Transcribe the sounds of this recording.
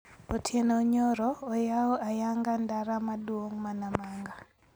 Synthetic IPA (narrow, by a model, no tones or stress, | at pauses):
otʰjenoɲoɾɔojaɔʔajaŋɡandaɾamadwoŋmanamaŋɡa